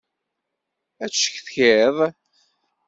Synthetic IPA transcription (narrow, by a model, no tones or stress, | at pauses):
æt͡sːʃə̥çθçeðˤ